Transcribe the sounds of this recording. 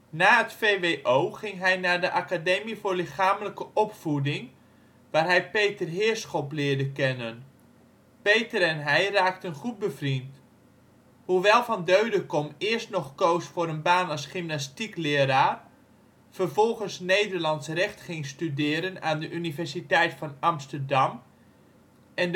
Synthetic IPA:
naːətfeʋejʔowχɪŋɦɛjnaːɹdəʔakadejmivʊːɹlɪχaːmələkəʔɔpfudɪŋ | ʋaːrɦɛjpejtərɦɪːəɹsχoplɪːɹdəkɛnən | pejtəɾɛnɦɛjraːktənχut̚bəvrint | huʋɛlˠvɑndøɥdəkɔmɪːəɹstnɔχkowsfʊːɾənbaːnɑsχɪmnastiklɪəɾaːr | v̥ərvɔlˠχənsnejdəɹlɑntsrɛχtχɪŋstydɪːɾənaːndəʔynivɛɹsitɛjtfɑnɑmstərdɑm | ɛn

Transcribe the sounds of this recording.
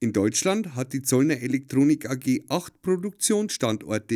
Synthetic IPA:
ʔɪndɔʏt͡ʃlandɦat̚d̥iːt͡sɔlnɐʔelɛk̚tʁ̥oːnɪkʰaɡeːʔaxtpʁ̥odʊk̚t͡sjoːnsʃtantɔ̰ɐtə

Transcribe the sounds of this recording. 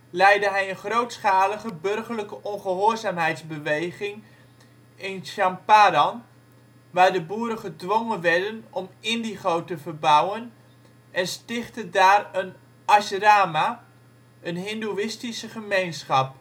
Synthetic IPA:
lɛjdəɦɛjənχrowtsχaːləχəbørχərləkəʔɔnχəɦoːrzaːmɦɛjtzbəʋejχɪŋ | ɪnʃampaːdɑn | ʋaːdəbuːɾəχədʋoŋənʋɛrdənɔmɪndiχowtəvərbawən | ʔɛnstɪχtədaːrən | ʔasəraːma | ənɦɪnduɪstisəχəmejnsχɑp̚

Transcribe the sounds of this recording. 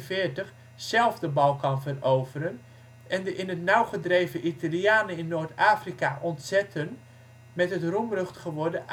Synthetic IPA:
fɪːɹtəχ | sɛlˠvdəbɑlˠkɑnvərowvəɾən | ʔɛndəʔɪnətnawχədrejvəʔitaljaːnəɪnːoːɹtaːfrikaʔɔntsɛtʰən | mɛtɦətrumrəχtχəʋɔrdəʔ

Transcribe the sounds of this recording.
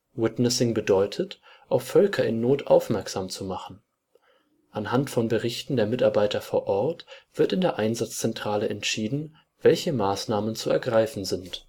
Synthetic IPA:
wɪtnəsɪŋbədɔʏtʰət | ʔaʊffœlkʰɐɪnːoːtʰʔa̰ʊfmɛɐkz̥aːmt͡sumaχn̩ | ʔanɦantfɔnbəʁɪçtn̩deːɐmɪtaɐbaɪtɐfoːɐʔɔɐtv̥ɪɐtɪndeːɐʔaɪnzat͡st͡sɛntʁ̥aːləʔɛntʃiːdn̩ | v̥ɛlçəmaːsnaːmənt͡suɛɐɡʁaɪfn̩zɪnt

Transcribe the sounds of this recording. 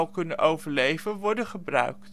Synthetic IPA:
lˠkɵnənʔowvəɹlejvənʋɔɹdəχəbrœ̰ɥkt

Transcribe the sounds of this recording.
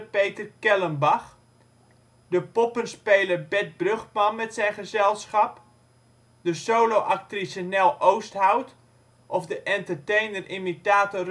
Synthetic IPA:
pejtərkɛlənbaχ | dəpɔpənspejlərbɛt̚brøχmɑnmɛtsɛjnχəzɛlˠsχɑp | dəsowloʔak̚trisənɛlˠʔowsthawt | ʔɔfdəʔɛntərtejnərʔimitaːtɔr

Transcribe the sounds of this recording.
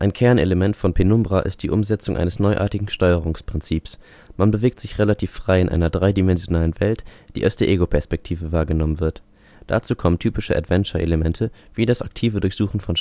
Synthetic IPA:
ʔaɪnkʰɛɐneləmɛntfɔnpʰenʊmbʁaʔɪ̰st̚d̥iːʔʊmzɛt͡sʊŋʔa̰ɪnəsnɔʏʔa̰ːɐtɪɡŋ̩ʃtɔʏəʁ̞ʊŋspʁ̥ɪnt͡siːps | manbəveːk̚tz̥ɪçʁelatʰiːfʁ̥aɪɪnʔa̰ɪnɐdʁaɪdimɛnzjonaːlənvɛltd̥ḭːʔaʊsd̥eːɐʔeːɡopʰɛɐspɛk̚tʰiːvəvaːɐɡənɔmənvɪɐt | d̥a̰t͡suːkʰɔməntʰyːpɪʃəʔa̰tv̥ɛnt͡ʃɐʔḛləmɛntʰəv̥iːdasʔaktʰiːvədʊɐçz̥uːχn̩fɔn

